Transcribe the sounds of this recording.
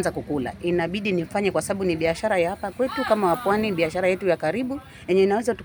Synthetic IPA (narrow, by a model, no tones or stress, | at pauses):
nzakukula̰ʔinaɓiɗinifaɲɛkwasaɓaɓuniɓiaʃaɾajahapakwɛtukamawapwaniɓiaʃaɾajɛtujakaɾiɓu | jɛɲɛinawɛzatu